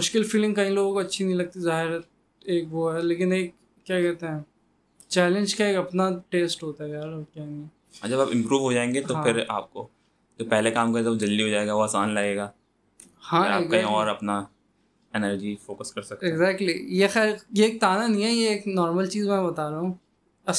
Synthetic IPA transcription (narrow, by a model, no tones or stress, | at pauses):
mʊʃkɪlfiːlɪ̃ŋɡkɐɦĩloːɡõkoɐtːʃʰinɐɦĩlɐɡ̚t̪izaːɦɪɾɛ | eːkʋoɦɛleːkɪneːk̚ː | jaːkɛɦt̪eɦɛ̃ | t͡ʃɛːlɪ̃nd͡ʒkaeːkɐpnaʈeːsʈɦoːt̪aɦɛjaːɾɔkjani | ã̰d͡ʒɐbaːpɪ̃mpɾuːʋɦod͡ʒaːẽːŋɡet̪oɦãpʰɪɾa̰ːp̚ko̰ | d͡ʒoːpɛɦlekaːmkɐɾeɡaʋod͡ʒɐlːiɦoːd͡ʒaːeːɡaʋoaːsaːnlaɡeːɡaː | hãeːkɐɦĩɔːɾɐpna | ɛnəɾd͡ʒifoːkəskɐɾsɐk̚t̪eɡzɛːk̚ʈlḭjexɛːɾjeːk̚t̪aːnanĩɦɛjeeːknɔːɾməlt͡ʃiːzmɛ̃bɐt̪aːɾaːɦũː | ɐ